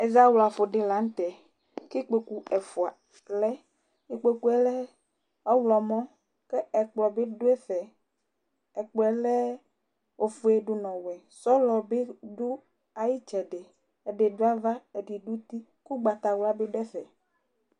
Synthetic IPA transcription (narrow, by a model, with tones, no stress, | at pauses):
e˨za˦wlo˨a˨fo˨ɖe˦la˨˦ŋ˦t̪ɛ˨ | ke˦k͡pe˨ku˦ɛ˨fo˨a˨ | lɛ˦ | i˨k͡pe˨ku˦ɛ˦lɛ˦ | ɔ˦wlɔ˨mɔ̃˦ | ke˦ɛ˨k͡plɔ˨be˦ɖo˦e˦fɛ˨ | ɛ˨k͡pɔ˨ɛ˨lɛ˦ | o˨fo˨e˨ɖo˨nɔ̃˨wɛ˨ | sɔ˦lɔ˨be˦ɖo˦ | a˨ji˦t͡ʃɛ˨ɖe˨ | e˨ɖe˨do˦a˦va˦e˨ɖi˨ɖu˦t̪i˦ | ku˦ɡ͡ba˨t̪a˨wla˦be˦ɖɛ˦fɛ̰˨